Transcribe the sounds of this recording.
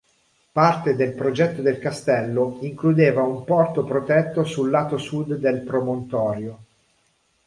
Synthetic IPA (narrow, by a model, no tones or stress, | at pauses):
part̪ed̪elpɾod͡ʒɛt̪ːod̪elkast̪ɛlːoiŋklud̪eːvaumpɔrt̪opɾot̪ɛt̪ːosulːaːt̪osud̪ːelpɾomont̪ɔːɾjo